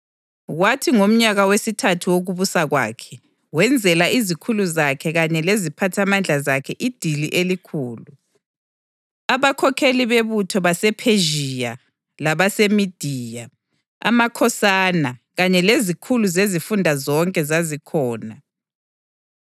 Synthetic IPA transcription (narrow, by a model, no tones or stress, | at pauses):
watʰiŋom̩ɲaɣawesitʰatʰuwoɣuβusaɣwa̰ːkʰɛ | wɛnd͡zʱɛlaʔizikʰuluzakʰɛɣaɲɛlezipʰatʰamand͡ɮʱazakʰɛʔid̥ʱiliʔelikʰuːlu | aβakʰɔkʰeliβeβutʰɔβasɛpʰeʒija | laβasemid̥ʱiːja | a̰makʰɔsanaɣaɲɛlezikʰuluzezifundʱazɔŋkʼɛzazikʰɔːna